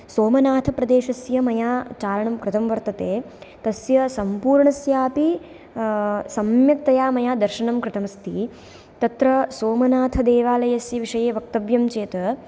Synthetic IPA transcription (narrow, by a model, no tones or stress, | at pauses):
soːmɐnaːt̪ʰɐpɾɐd̪eːʃɐsjɐmɐjaːt͡ʃaːɾɐɳɐmkɾɪt̪ɐmʋɐɾt̪ɐt̪eː | t̪ɐsjɐsɐmpuːɾɳɐsjaːpi | sɐmjɐk̚t̪ɐjaːmɐjaːd̪ɐɾʃɐɳɐmkɾɪt̪ʰɐmɐst̪ʰi | t̪ɐt̪ɾɐsoːmɐnaːt̪ʰɐd̪eːʋaːlɐjɐsjɐʋiʂɐjeːʋɐk̚t̪ɐʋjɐmt͡ʃeːt̪ɐ